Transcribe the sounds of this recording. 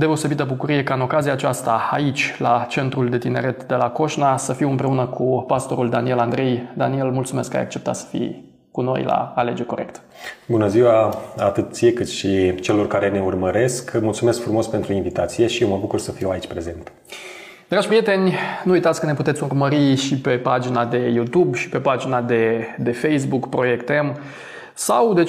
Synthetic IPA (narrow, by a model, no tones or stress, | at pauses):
d̪eo̞se̞bit̪əbukuɾije̞kaɨno̞kaziaːt͡ʃast̪aait͡ʃʲlat͡ʃe̞nt̪ɾuld̪e̞t̪ine̞̰ɾe̞t̪d̪e̞lako̞ʃnasəfiwɨmpɾe̞unəkʰupast̪o̞ɾuld̪anie̞land̪ɾe̞jd̪anie̞lmult̪sume̞skːa̰ja̰k̚t͡ʃe̞p̚t̪a̰t̪sə̥fḭ | kuno̞̰jla̰ːle̞d͡ʒe̞rʲko̞ɾe̞̰kt̪ | bunəziwaat̪ɨt̪̚siekɨt̪ʃit͡ʃe̞lo̞rkaɾe̞ne̞urməɾe̞skmult̪sume̞skfɾumospe̞nt̪ɾuinvit̪at̪sije̞ʃijewməbukursəfiwait͡ʃʲpɾe̞ze̞nt̪ | d̪̥ɾaʒʲpɾije̞t̪e̞nʲnuujt̪at̪sʲkəne̞put̪et̪sʲurməɾiʃipe̞pad͡ʒinad̪e̞jut̪ubʃi̥pe̞pad͡ʒinad̪e̞d̪e̞fe̞js̬bukpɾo̞je̞kt̪em | sawd̪e̞